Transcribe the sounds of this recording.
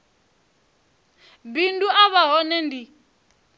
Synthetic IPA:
binduaβaɦɔnɛndi

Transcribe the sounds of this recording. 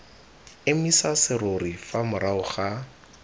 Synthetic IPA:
ɪmisasɪroɾifamʊɾaʊχa

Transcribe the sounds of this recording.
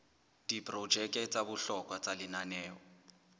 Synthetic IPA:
d̥ipʼrɔd͡ʒɛkʼɛt͡sʼabʊɬɔkʼwat͡sʼalɪnanɛːɔ

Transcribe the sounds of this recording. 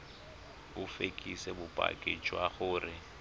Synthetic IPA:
ʊfekʼisɛbʊpʼa̰kʼɪt͡ʃʼwaχʊːrɪ

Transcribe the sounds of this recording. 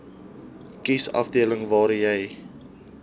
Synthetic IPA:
kisɐ̰fdiələŋvɑːɾjɛj

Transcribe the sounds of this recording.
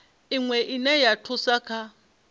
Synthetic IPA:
iŋwɛʔinɛjatʰʊsakʰa

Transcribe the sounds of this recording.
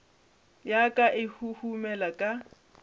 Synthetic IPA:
jakʼaʔɪhuhumɛlakʼa

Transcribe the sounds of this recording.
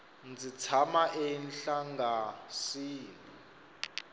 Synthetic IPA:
nd͡zit͡sʰamaʔɛnɬaŋɡasiːni

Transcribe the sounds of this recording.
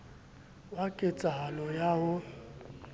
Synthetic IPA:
wakʼet͡sʼaɦalɔjaɦʊ

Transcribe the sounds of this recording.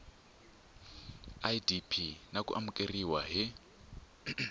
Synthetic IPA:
adipʰinakʼṵʔamukʼeriwaɦɪ

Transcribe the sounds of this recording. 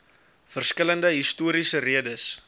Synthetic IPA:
fərskələndəɦistuːəɾisəriədəs

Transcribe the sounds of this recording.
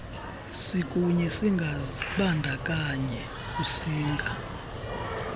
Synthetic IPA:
sikʼuɲɛsiŋɡʱaɓandʱakʼaɲɛ | kʼusiːŋɡʱa

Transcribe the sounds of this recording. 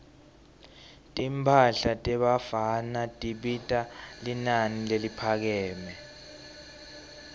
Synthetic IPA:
tʼimpʰaɬatʼɛɓafanatʼiɓitʼalinanilelipʰak̬ɛːmɛ

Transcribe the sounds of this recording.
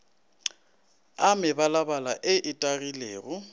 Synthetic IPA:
amɪbalabala̰ʔɪʔɪtʼarileːɣʊ

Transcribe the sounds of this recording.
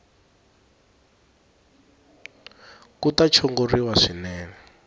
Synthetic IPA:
kutat͡ʃʰɔŋɡoriwaʂinɛːnɛ

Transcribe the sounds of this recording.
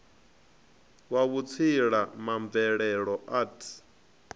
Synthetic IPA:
waβut͡sʰiɺamaɱvɛɺɛɺɔʔaːtʰi̥

